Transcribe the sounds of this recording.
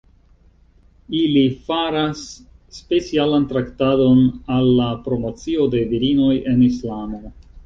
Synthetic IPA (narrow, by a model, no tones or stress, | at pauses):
ilifaɾasː | pe̞t͡sialantɾaktado̞nalːapɾo̞mot͡sio̞de̞viɾino̞je̞nislamo̞